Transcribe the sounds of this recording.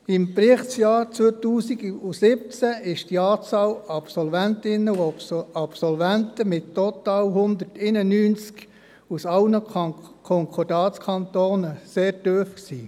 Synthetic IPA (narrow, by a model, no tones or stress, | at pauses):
ɪmpɾɪχtt͡sjɑːɾt͡suətuːsiɡusɪp̚t͡sæɪʃd̥iɑːt͡sɑːlɑpsɔlvæntɪnːəɑpsɔlvæntəmɪtːɔt̪ɑːlɦʊnd̪ərtenənyːnt͡sk | usɑlnəkʰɔŋkʰɔrdɑːskʰɑnt̪oːnəseːɾtøːfksiː